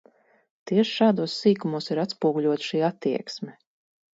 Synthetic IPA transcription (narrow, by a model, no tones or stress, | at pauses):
t̪iɛʃʃaːd̪uɔsːiːkumuɔsiɾat̪spuɔɡuʎʲuɔt̪ʃiːat̪ːiɛksmʲɛ